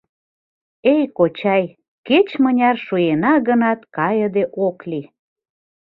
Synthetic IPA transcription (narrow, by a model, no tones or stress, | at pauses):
ejkot͡ɕɑj | ket͡ɕmənʲɑrʃujenɑɣənɑt̪kɑjəd̪eʔokli